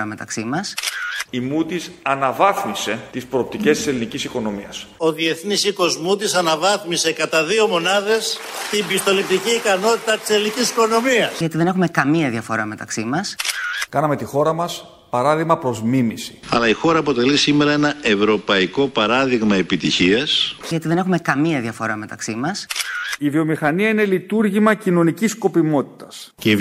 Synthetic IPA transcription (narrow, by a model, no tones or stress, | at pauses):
ɐme̞t̪ɐksimɐsimut̪isɐnɐvɐθmise̞t̪ispɾo̞ːp̚t̪ice̞st̪i̥se̞linicisiko̞no̞miɐso̞ðie̞θnisikozmut̪isɐnɐvɐθmise̞kɐt̪ɐðio̞mo̞nɐðe̞st̪imbist̪o̞lip̚t̪iciːkɐno̞t̪it̪ɐt̪i̥selinicisiko̞no̞miɐsʝɐt̪iðe̞ne̞xume̞kɐmiɐðiɐfo̞ɾɐme̞t̪ɐksimɐskɐnɐme̞t̪ixo̞ɾɐmɐs | pɐɾɐðiɣmɐpɾo̞zmimisi̥ɐ̰lɐixo̞ɾɐːpo̞t̪e̞lisime̞ɾɐe̞nɐe̞vɾo̞pɐiko̞pɐɾɐðiɣmɐe̞pit̪içiɐsʝɐt̪iðe̞nexume̞kɐmiɐðiɐfo̞ɾɐme̞t̪ɐksimɐsivio̞mixɐniɐine̞lit̪uɾʝimɐcino̞nicisko̞pimo̞t̪i̥t̪ɐscei